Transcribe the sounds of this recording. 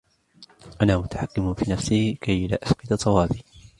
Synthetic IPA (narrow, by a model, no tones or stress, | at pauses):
ʔanaːmʊt̪ḁħakːɪmfiːnafsɪhkajla̰ːʔasqɪd̪at̪ˤːɑwɑːbiː